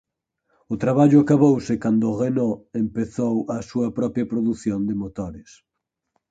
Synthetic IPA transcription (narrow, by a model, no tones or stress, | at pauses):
ʊt̪ɾaβaʎʊakaβowsɪkand̪ʊɣenɔempeθowɐsuɐpɾɔpɾjɐpɾoðuθjond̪ɪmot̪oɾɪs